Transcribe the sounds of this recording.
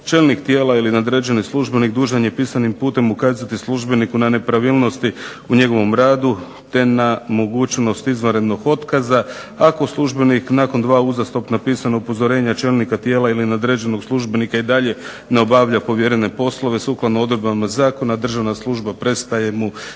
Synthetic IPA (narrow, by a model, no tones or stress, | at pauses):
t͡ʃe̞lnikt̪je̞ːlailinaod̪ɾe̞d͡ʒe̞nislˠuʒbe̞nikd̪uːʒaɲepiːsanimpuːt̪e̞mukaːzat̪islˠuʒbe̞nikunane̞pɾaʋilˠno̞st̪i | uɲe̞ɡo̞ʋo̞mɾaːd̪u | t̪e̞namo̞ɡuːt͡ʃno̞st̪izʋanɾe̞d̪no̞ɡo̞t̪kaza | ako̞slˠuʒbe̞niknako̞nd̪ʋaːuzast̪o̞pnapiːsanoupo̞zo̞ɾe̞ːɲat͡ʃe̞lnikat̪je̞ːlˠailinad̪ɾed͡ʒe̞no̞ɡslˠuʒbenikaid̪aʎe̞ | neo̞baʋʎapo̞ʋje̞ɾene̞po̞slˠo̞ʋe̞suklˠad̪nood̪ɾed̪bamazaːko̞nad̪r̩ʒaʋnaslˠuʒbapɾe̞st̪aje̞mu